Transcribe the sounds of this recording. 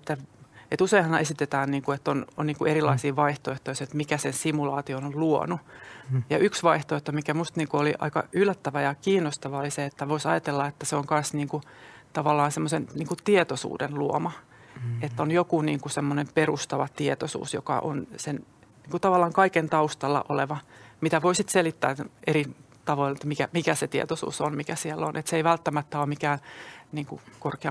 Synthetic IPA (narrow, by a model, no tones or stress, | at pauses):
et̪ːæet̪useihɑnesit̪et̪æːnniːŋkuet̪ːono̰nniːŋkuʔerilɑ̰isiːʋɑiht̪oeht̪oiset̪mikæsensimulɑːt̪ionolluo̰nujɑʔyksʋɑiht̪oeht̪omikæmust̪niːŋkuoliʔɑ̰ikɑ̰ylːæt̪ːæʋæjɑkiːnːost̪ɑʋɑoliseet̪ːæʋoisɑ̰jɑt̪elːɑet̪ːæseoŋkɑ̃nsniːŋku | t̪ɑʋɑlːɑːnsemːosenniːŋkutt̪iet̪osṵːdenluo̰mɑ | et̪ːonjokuniːŋkusemːonemperust̪ɑʋɑt̪iet̪osṵːsjo̰kɑ̰ʔo̰nsen | niːŋkut̪ɑʋɑlːɑːŋkɑikent̪ɑust̪ɑlːɑ̰ʔoleʋɑmit̪æʋoisit̪selit̪ːæ̰ːeɾi | t̪ɑʋoilet̪ːmikæmikæset̪iḛt̪osṵːsonmikæsiɛlːo̰nʔet̪seiʋælt̪ːæmæt̪ːæommikæːnniːŋkṵkorkeɑ̰